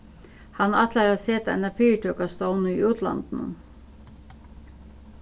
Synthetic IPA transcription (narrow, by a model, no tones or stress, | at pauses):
hɑnɑt̪ʰlæɾɑseːt̪ɛ̰næfiːʈʰøːkɑst̪ɔʊnəḭːøːt̪ʰlɑ̰nd̪̥n̩ə̰